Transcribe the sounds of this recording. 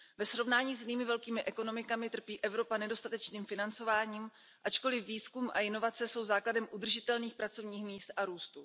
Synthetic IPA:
vɛsɾo̞vnaːɲiːz̬jniːmɪvɛlkiːmɪʔɛko̞no̞mɪkamɪt̪r̩piːʔɛvɾo̞panɛdo̞st̪at̪ɛt͡ʃniːmfɪnant͡so̞vaːɲiːm | ʔat͡ʃko̞lɪfːiːskumʔa̰ɪno̞vat͡sɛso̞wzaːkladɛmʔud̪r̩ʒɪt̪ɛlniːxpɾat͡so̞vɲiːxmiːst̪ʔaɾuːst̪u

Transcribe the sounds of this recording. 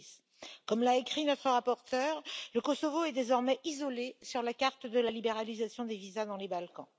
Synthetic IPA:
s | kɔmlaekχinɔt̪χəʁapɔʁt̪œːʁləkɔsovoɛd̪ezɔʁmɛʔizɔlesyʁlakaʁt̪d̪əlalibeʁalizasjɔ̃d̪evizad̪ɑ̃lebalkɑ̃

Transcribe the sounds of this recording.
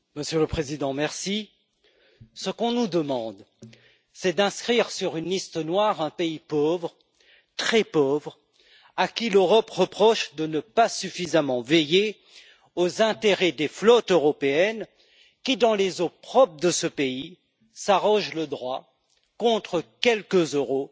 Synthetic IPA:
məsjøləpχezid̪ɑ̃mɛʁsi | səkɔ̃nud̪əmɑ̃d̪ | sɛd̪ɛ̃skχiʁsyʁynlist̪ənwaʁɛ̃peipovʁ | t̪χɛpovʁ | akʲiløʁɔpʁəpχɔʃd̪ənəpasyfizamɑ̃veje | ozɛ̃t̪eʁɛd̪eflɔt̪øʁɔpeɛn | kʲid̪ɑ̃lezopχɔpχd̪əsəpei | saʁɔ̃ʒləd̪ʁwa | kɔ̃t̪χəkʲɛlkəzøʁo

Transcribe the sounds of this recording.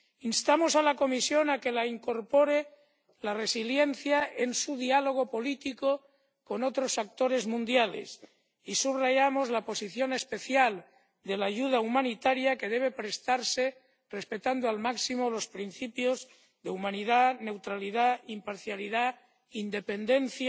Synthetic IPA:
inst̪amo̞salako̞misjo̞nake̞laiŋko̞ɾpo̞ɾe | lare̞silje̞nθjaensuðialo̞ɣ̞o̞po̞lit̪iko | ko̞no̞t̪ɾo̞sak̚t̪o̞ɾe̞zmũnd̪jalḛs | isuβraʝamozlapo̞siθjo̞ne̞spe̞θjal | d̪e̞laʝuð̞aumãnit̪aɾjake̞ð̞e̞β̞e̞pɾe̞st̪aɾse̞ | re̞spe̞t̪and̪oalmaksimo̞lo̞spɾinθipjo̞z | ðe̞umãniðane̞wt̪ɾaliðaimpaɾθjaliða | ind̪e̞pe̞nd̪e̞n̟θja

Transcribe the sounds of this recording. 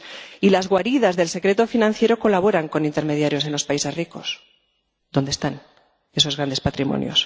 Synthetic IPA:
ilazɣwaɾiðazðe̞lse̞kɾe̞t̪o̞finãnθje̞ɾo̞ko̞laβ̞o̞ɾaŋko̞nĩnt̪e̞ɾme̞ðjaɾjo̞se̞nlo̞spaise̞zriko̞s | ðo̞nd̪est̪an | e̞so̞zɣɾand̪e̞spat̪ɾimõ̰njo̰s

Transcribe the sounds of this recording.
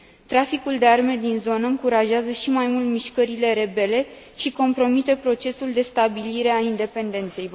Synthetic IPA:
t̪ɾafikuld̪e̞arme̞d̪inzo̞nəɨŋkuɾaʒeazəʃimajmult̪miʃkəɾile̞ɾe̞be̞le̞ | ʃiko̞mpɾo̞mit̪e̞pɾo̞t͡ʃe̞suld̪e̞st̪abiliɾe̞aind̪e̞pe̞nd̪e̞nt̪se̞j

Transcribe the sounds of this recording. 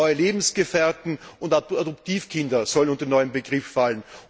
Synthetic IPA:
ʏəleːbm̩sɡ̥əfɛɐtn̩ʊntaadɔp̚tiːfkʰɪndɐsɔlənʊ̃ntɐnɔʏəmbəɡʁɪfːalən

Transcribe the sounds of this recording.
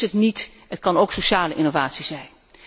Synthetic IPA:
ətnit | ətkɑnowksoʃaːləʔɪnovaːtsiz̥ɛjn

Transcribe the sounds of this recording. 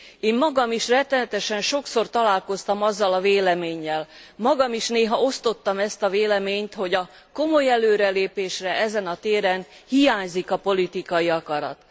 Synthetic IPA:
eːmmɒɡɒmiʃrɛt̪ːɛnɛt̪ɛʃɛnʃo̞kso̞rt̪ɒlaːlko̞st̪ɒmɒzːɒlɒveːlɛmeːɲːɛlmɒɡɒmiʃneːɦɒo̞st̪o̞t̪ːɒmɛst̪ɒveːlɛmeːɲt̪ho̞ɟɒ | ko̞mo̞jɛløːɾɛleːpeːʃrɛɛzɛnɒt̪eːɾɛnhijaːɲzikɒpo̞lit̪ikɒjiɒkɒɾɒ̰t̪

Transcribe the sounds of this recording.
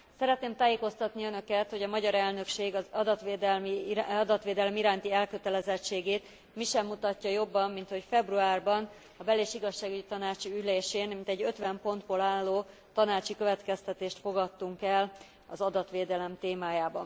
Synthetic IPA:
sɛɾɛt̪neːmt̪aːjeːko̞st̪ɒt̪niø̞nø̞kɛt̪ho̞ɟɒmɒɟɒɾɛlnø̞kʃeːɡɒzɒd̪ɒt̪ʋeːd̪ɛlmiɒd̪ɒt̪ʋeːd̪ɛlɛmiɾaːnt̪iɛlkø̞t̪ɛlɛzɛt͡ʃːeːɡeːt̪ | miʃɛmːut̪ɒcːɒjo̞bːɒmːint̪ho̞cfɛbruaːrbɒn | ɒbɛleːʃiɡɒʃːaːɡyɟit̪ɒnaːt͡ʃiyleːʃeːnmint̪ɛɟːø̞t̪ʋɛmpo̞nd̪bolaːlːoː | t̪ɒnaːt͡ʃikøvɛt̪kɛst̪ɛt̪eːʃt̪fo̞ɡɒt̪ːuŋkɛl | ɒzɒd̪ɒt̪ʋeːd̪ɛlɛmt̪eːmaːjaːbɒ̰n

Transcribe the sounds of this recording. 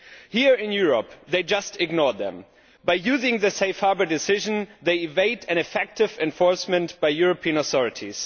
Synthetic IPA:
hiɹɪ̃njʊɹɔpðeɪd͡ʒʌstɪɡnɔɹðɛ̰̃m | b̥aɪjʉzɪ̃ŋðɨseɪfhɑɹbə˞dɨsɪʒə̃nðeɪɪveɪɾɨ̃nɨfɛk̚tɨvɛ̃ɱfɔɹsmɨ̃ntb̥aɪjʊɹɔpʰĩɨ̃nəθɔɹɨtʰiz̥

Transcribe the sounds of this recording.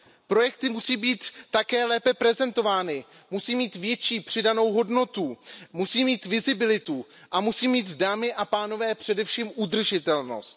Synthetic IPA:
pɾo̞jɛkt̪ɪmusiːbiːt̪ːakɛːlɛːpɛpɾɛzɛnt̪o̞vaːnɪ | musiːmiːt̪vjɛt͡ʃiːpr̝̥ɪdano̞wɦodno̞t̪umusiːmiːt̪vɪzɪbɪlɪt̪u | ʔamusiːmiːt̪daːmɪʔapaːno̞vɛːpr̝̥ɛdɛfʃiːmʔud̪r̩ʒɪt̪ɛlno̞̰st̪̚

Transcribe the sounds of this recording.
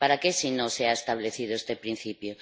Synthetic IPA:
paɾakesinoseaest̪aβleθið̞oest̪epɾin̟θipjo

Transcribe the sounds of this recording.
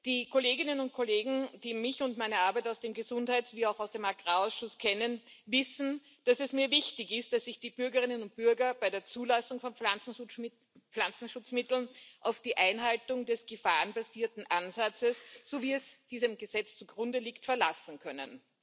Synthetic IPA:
d̥iːkʰoleːɡɪnənʊnt̚kʰoleːɡŋ̩d̥iːmɪçʊntmæɪnɐʔaɐbæɪtɔʊsd̥eːmɡəzʊnthæɪtzviːaʊxaʊsd̥eːmaɡ̥ʁaːɔʊsʃʊskʰɛnənvɪsn̩ | d̥asɛsmiːɐvɪçtɪçɪst̚d̥asːɪçd̥iːb̥ʏɐɡəʁɪnənʊnt̚b̥ʏɐɡɐbæɪdeːɐt͡suːlasʊŋfɔnat͡sn̩ | flant͡sn̩ʃʊt͡smɪtl̩nʔaʊfd̥iːʔæɪnɦaltʊŋdɛsɡ̥əfaːʁənbaziːɐtn̩ʔanzat͡səsz̥oviːɛsd̥iːzəmɡəzɛt͡st͡suɡʁʊndəliːktfɛɐla̰sn̩kʰœnə̰n

